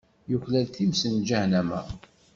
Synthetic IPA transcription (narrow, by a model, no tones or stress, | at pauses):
juçlælθimsənd͡ʒahnæmæ̰